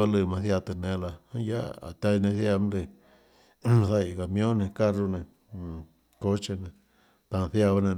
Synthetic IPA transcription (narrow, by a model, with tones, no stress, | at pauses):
a˧lɨ˧mã˧θja˧t̪ɨ˧nẽ˧la˧hã˦ja˦a̰˨t̪a˧i˧nẽ˧θja˧m˦le˧ | sa˧i˨ɣa˨mjõ˦nẽ˧ka˦ru˧nẽ˧˨ | ko˦t͡ʃe˧nẽ˧ | t̪a˧θja˧βa˧nẽ˧